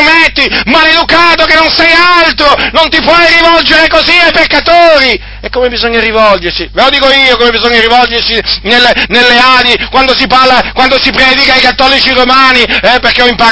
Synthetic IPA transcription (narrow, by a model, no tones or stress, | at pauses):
met̪ːimaled̪ukaːt̪okenːonsɛjalt̪ɾonont̪ipwɔjrivɔld͡ʒeɾekoziajpekːat̪oːɾi | ekːomebizoɲːaɾivɔld͡ʒersivelod̪iːkoiːokomebizoɲːaɾivɔld͡ʒersinelːenelːeaːd̪ikwand̪osiparlakwand̪osipɾɛːd̪ikaikat̪ːɔːlit͡ʃiromaːniɛperkeɔimpa